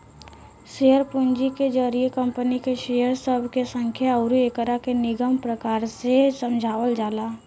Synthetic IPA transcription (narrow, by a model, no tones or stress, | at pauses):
ʃeəɾpʊnd͡ʒiked͡ʒəɾiekə̃mpənikeʃejəɾsəbʱkesə̃ŋkʰjaəɾuekəɾakenɪɡəmpɾəkaːɾsesə̃md͡ʒʱaːʋəld͡ʒaːlaː